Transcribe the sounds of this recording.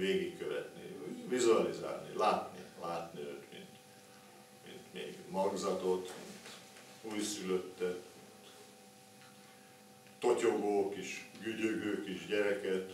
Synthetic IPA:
veːɡikkøvɛ̰t̪nḭuːvizuɒliza̰ːrnilaːt̪nḭlaːt̪niøːt̪mḭnt̪ | mḭnt̪mḛːɡmɒɡzɒt̪ot̪mḭnt̪ | uːjsyløt̪ːɛt̪mint̪ | t̪o̞co̞ɡoːkiʃɡyɟøɡøːkiʃɟɛɾɛkɛt̪

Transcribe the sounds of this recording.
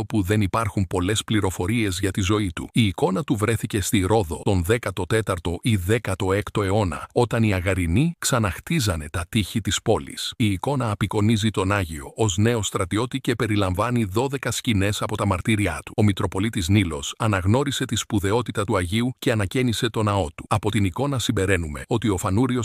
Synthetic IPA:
opuðenipɐɾxumpo̞le̞spliɾo̞fo̞ɾie̞zʝɐt̪izo̞it̪ṵiːko̞nɐt̪uvɾe̞θice̞st̪iɾo̞ðo̞t̪o̞nðe̞kɐt̪o̞t̪e̞t̪ɐɾt̪o̞ʔiðe̞kɐt̪o̞e̞kt̪o̞e̞o̞nɐ̰o̞t̪ɐniɐɣɐɾiniksɐnɐxt̪izɐne̞t̪ɐt̪içit̪ispo̞lḭsiːko̞nɐːpiko̞nizit̪o̞nɐʝio̞o̞zne̞o̞st̪ɾɐt̪io̞t̪ice̞pe̞ɾilɐɱvɐniðo̞ðe̞kɐscine̞sɐpo̞t̪ɐmɐɾt̪iɾiɐ̰t̪u̥o̞mit̪ɾo̞po̞lit̪iznilo̞sɐnɐɣno̞ɾise̞t̪ispuðe̞o̞t̪it̪ɐt̪uɐʝiuce̞ɐnɐcenise̞t̪o̞nɐo̞t̪u̥ɐpo̞t̪iniko̞nɐsimbe̞ɾe̞nume̞o̞t̪io̞fɐnuɾio̞s

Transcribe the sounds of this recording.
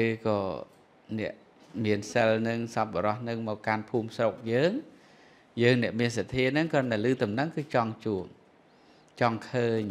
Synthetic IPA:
ɨːkɑː | nɛ̰̆əʔ | miənsəlnɨŋsɑp̚ɓɔɾɑhnɨŋmɔːkːanpʰuːmsrok̚jəːŋ | jəːŋnɛ̆əʔmiənsɑt̪ʰːiənɨŋkəənt̪alɨːt̪umnəŋkɨːt͡ɕɑŋt͡ɕuəp̚ | t͡ɕɑŋkʰəːɲ

